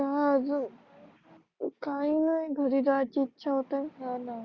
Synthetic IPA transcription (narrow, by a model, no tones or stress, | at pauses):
kaəd͡zə | kainajɡʱəɾiːɾat͡ɕiːtːɕʰaɦot̪ajɦana